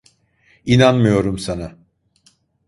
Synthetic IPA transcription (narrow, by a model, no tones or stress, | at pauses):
inanmɯjo̞ɾumsana